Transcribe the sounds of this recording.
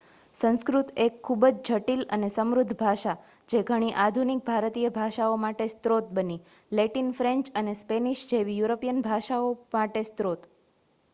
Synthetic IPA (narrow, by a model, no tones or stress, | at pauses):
sə̃ñskɾut̪ekʰːubəd͡ʒd͡ʒʱəʈilə̰nesəmɾʊd̪ʱbʱaʃa | d͡ʒeɡʱəɽ̃iʔad̪ʱunik̚bʱaɾt̪ijəbʱaʃaomaʈest̪ɾot̪̚bəni | leʈinfɾẽɲt͡ʃənespeniʃd͡ʒeʋijuɾopijənbʱaʃaomaʈest̪ɾot̪